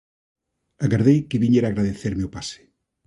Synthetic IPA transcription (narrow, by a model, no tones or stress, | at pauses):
aɣaɾðejkɪβiɲeɾaːɣɾaðeθeɾmeʊpasɪ̥